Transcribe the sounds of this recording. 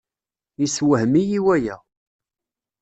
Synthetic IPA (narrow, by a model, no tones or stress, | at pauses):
jiswəhmijiwæjæ